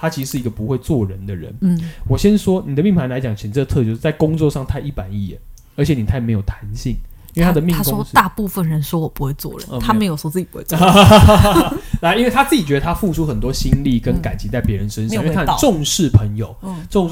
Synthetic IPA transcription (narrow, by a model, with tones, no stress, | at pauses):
t̪ʰa˥t͡ɕʰi˧ʂ̩˧˥ʂɻ̩˥˩i˧˦ɡə˨˩pu˧˥xwe˥˧ɪt͡swɔ˥˨ɻə˧˦nd̪ə˨ɻə̰˧˦n˩wɔ˨˩ɕjɛ˦nʂwɔ˥ni˨˩ə˦mi˥˩pʰa˧˦nla˧ɪt͡ɕjɑ˨˩ŋt͡ɕ̩ʰ˨˩˨t͡sə˥˧t̪ʰɤ˥˧t͡ɕjʂ̩˥˩t͡sa˥˩ɪkʊ˥ŋt͡swɔ˥˧ʂɑ˥˧ŋt̪ʰa˥˧ɪi˥˩pa˨˩˦ni˥˩ɛ˨˦n | ə˞˧˥t͡ɕʰɛ˨˦ni˨˩t̪ʰa˥˩me˧˥ɪjo˨˩ʊt̪ʰa˧˦˥nɕi˥˨˩ŋii˥nw̪ʰa˥d̪ə˨˧mi˥˧ŋa˥ɔ˥t̪a˥˧pu˥˧fə˥˩nɻə˧˦nʂwɔ˥wɔ˨˩pu˧˦xwe˥˧ɪt͡swɔ̰˥˩ə̰˦˧˦t̪ʰa˥e˧˥ɪjo˨ʊʂɔ˥t͡sɹ̩˥˩t͡ɕu˦˥we˥˧˨ | la˧˦ʔi˥nwe˥˩ɪt̪ʰa˥t͡s̩˥˩t͡ɕi˨˩t͡ɕɥɛ˧˦d̪ə˨˧t̪ʰa˥fu˥˨ʈ͡ʂʰu˥xə˨˩nt̪wɔ˦˥ɕi˦˥nli˥˨˩kə˦nka˨˩nt͡ɕʰi˧˦t͡sa˥˩ɪpjɛ˧˦ɻə˧˦nʂə˦˥nʂʰa˥˨˩ʈ͡ʂo˥˧ŋʂɻ̩˥˩pʰə˧˦˥ŋjo˨˩ʊ˥ʈ͡ʂŋ